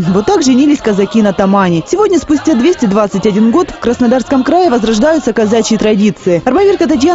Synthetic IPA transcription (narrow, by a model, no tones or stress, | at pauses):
vot̪ːakʐɨnʲilʲɪsʲkəzɐkʲinɐt̪ɐmanʲɪsʲɪvo̞dʲnʲəspʊsʲtʲad̪vʲesʲtʲɪd̪vat̪sɨtʲɐdʲinɡo̞t̪fkɾəsnɐd̪arskəmkɾajɪvəzɾɐʐd̪ajʊt̪səkɐzat͡ɕɪːt̪ɾɐdʲit̪sɨɪɐrmɐvʲerkət̪ɐtʲja